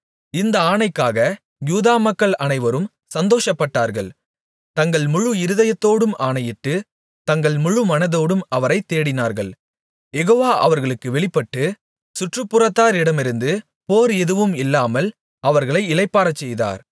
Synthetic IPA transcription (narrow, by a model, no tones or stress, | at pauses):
ɪnd̪ɐaːɳɐɪkːaːɣɐ | juːðaːmɐkːɐɭɐnɐɪʋɐɾɯm | sɐnd̪oːʂɐpːɐʈːaːɾɣɐɭ | t̪ɐŋɡɐɭmʊɻɯɪɾɯðɐjɐt̪ːoːɽɯmaːnɐjɪʈːɯ | t̪ɐŋɡɐɭmʊɻɯmɐnɐðoːɽɯmɐʋɐɾɐɪt̪ːeːɽɪnaːɾɣɐɭ | jɛɣoːʋaːʔɐ̰ʋɐɾɣɐɭɯkːɯʋɛɭɪpːɐʈːɯ | sʊʈrɯpːʊrɐt̪ːaːɾɪɽɐmɪɾɯnd̪ɯ | poːɾɛðɯʋɯmɪlːaːmɐl | ɐʋɐɾɣɐɭɐɪɪlɐɪpːaːɾɐt͡ʃːɛjða̰ːɾ